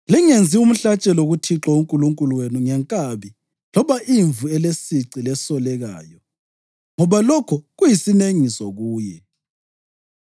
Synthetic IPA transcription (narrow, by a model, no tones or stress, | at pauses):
liŋend͡zʱium̩ɬat͡ʃʼɛloɣutʰiǁɔuŋkʼuluŋkʼuluwenuŋɛŋkʼaβi | lɔβaʔiɱvuɛlesiǀilɛsɔlɛɣa̰ːjɔ | ŋɔβalɔkʰɔɣujisineŋisɔɣuːjɛ